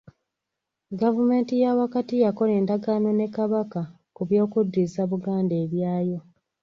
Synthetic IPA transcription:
ɡavume̞ːntijawakatijako̞le̞ːndaɡaːmo̞ne̞kaβaka | kuβjo̞ːkudːizaβuɡaːnde̞ːβjaːjo̞

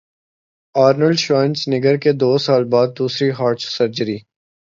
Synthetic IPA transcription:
aːɾnəlɖʃãːnt͡ʃnɪɡəɾked̪oːsaːlbaːd̪̚ːuːsɾiɦaːɾt͡ʃsəɾd͡ʒəɾiː

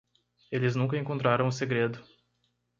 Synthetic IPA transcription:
elɪznũŋkɐẽŋkõnt̪̬ɾaɾɐ̃w̃ʊseɡɾed̪ʊ

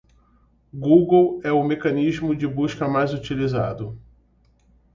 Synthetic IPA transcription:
ɡuɡowɛʊmekɐnizmʊd͡ʒɪbuʃkɐmajzut͡ʃiliza̰d̪ʊ

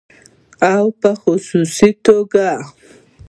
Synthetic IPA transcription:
awpəxʊsusit̪oɡa

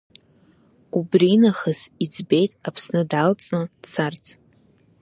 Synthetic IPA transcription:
ubrinaχəsid͡zbe̞jtʼapʰsnɨdalt͡sʼnɨd̥sʰart͡sʰʼ

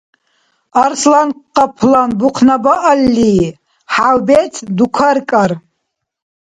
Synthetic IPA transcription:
arslanqːapʰlanbuqʰnabaʔalːi | ħawbetʰdukʷʰarkʼar

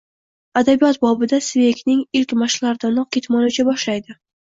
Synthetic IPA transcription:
ad̪abijɒt̪bɒbɪd̪asvekʲnɪŋɪlkʲmaʃlaɾd̪anɒq̚kʲet̪mɒnʊt͡ʃʰabɒʃlajd̪ɪ

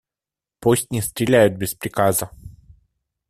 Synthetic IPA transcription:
posʲt̪ʲnʲɪst̪ɾʲɪlʲæjʊt̪̚bʲɪspɾʲɪkazə

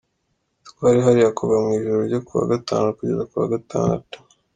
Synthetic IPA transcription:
tkwaːɾiɦaɾiakʰoβamŋiːʒuɾoɾɟokuβa̰ɡata̰ːnokuɟezakuβa̰ɡata̰ːnatḁ

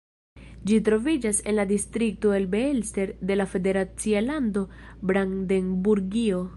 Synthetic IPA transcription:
d͡ʒitɾo̞vid͡ʒase̞nladistɾik̚to̞e̞lbe̞elste̞ɾde̞lafe̞de̞ɾat͡sialando̞bɾaŋdenbuɾɡio̞

